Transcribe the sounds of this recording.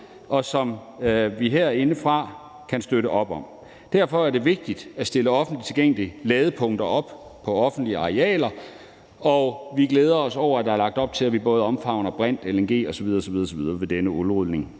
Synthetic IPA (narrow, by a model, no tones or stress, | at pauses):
ʔɒ̽sɒ̽mʋiɦeɐ̰æɐe̝nəfʁɑ̈ | kʰænsd̥øɾəʔɒ̽b̥ɒ̽m | d̥æɐ̰fɒ̽æɐɾe̝ʋe̝ɡ̥̚d̥id̥æsd̥e̝ləɒ̽fn̩dli̥t͡sʰe̝lɡ̥eŋ̰əliəlɛːð̞ˠəpʰɔ̽ŋ̰d̥ɐɒ̽b̥pʰɒ̽ɒ̽fn̩d̥liəɑ̈ʁeɛ̰ːlɐ | ɒʋiɡ̥leːð̞ˠɐɒsɒʊ̰ɐæd̥ɑ̈æɐlɑ̈ɡ̥̚d̥ɒ̽b̥̚t͡sʰe̝læʋibɔ̽ːð̞̩ˠɒ̽mfɑ̈ʊnɐb̥ʁɛn̰d̥elɐenɡ̥e̝̰ːɒ̽sɒʋið̞ˠɐːsɒʋiðˠɐːsɒʋið̞ˠɐʋe̝d̥enəulʁuðˠne̝ŋ